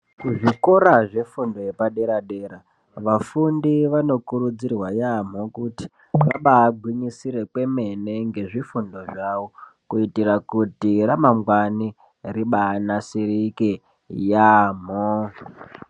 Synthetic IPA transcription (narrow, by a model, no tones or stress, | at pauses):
kuʐiko̞ɾaʐe̞fundo̞jepaɗe̞ɾaɗe̞ːɾa | ʋafundiʋano̞kuɾud͡zirwajam̤okuti̥ | ʋaɓaːɡʱwiɲisiɾe̞kwe̞me̞ne̞ŋɡe̞ʐifundo̞ʐaʋo̞kuitirakutiramaŋɡwani | riɓaːnasirike | jaːm̤o